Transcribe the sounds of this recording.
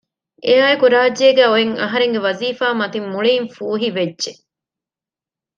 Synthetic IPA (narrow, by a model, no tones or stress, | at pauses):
ʔeaːekuɾaːd͡ʒeːɡæːoeŋɐ̰ɦɐɾeŋɡeʋɐziːfaːmɐt̪imːuɭiːŋfuːɦiʋedʒe